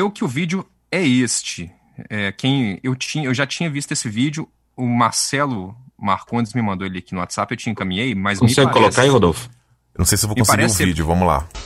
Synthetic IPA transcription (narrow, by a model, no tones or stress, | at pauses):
ewkɪʊvid͡ʒʊ | ɛest͡ʃɪ | ɛkẽj̃ewt͡ʃĩɲɐewʒat͡ʃĩɲɐvist̪ʊesɪvid͡ʒʊ | ʊmaɾsɛlʊmaɾkõnɪzmɪmɐ̃nd̪oeliɐkinʊwat̪sapewt͡ʃiɲɐ̃kɐmĩɲejmɐzm̃sɛkolokkaihod̪olfʊ̥ | nɐ̃w̃sejsɪevomkõspaeɡɾɛɾʊvid͡ʒʊvɐ̃mʊla̰